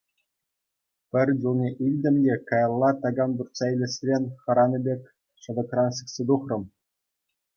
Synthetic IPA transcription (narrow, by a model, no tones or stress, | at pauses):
pʲɘ̆rʲd͡ʑulˠnʲeʔilʲdʲɘ̆mʲdʲekɑjɑlˠːɑt̪ɑɡɑmburt̪sɑilʲɘ̆sʲrʲenʲχɑ̆ɾɑnʲɤ̆bʲekʲ | ɕɤ̆d̪ɤ̆krɑnsĭksʲed̪uχrɤ̆m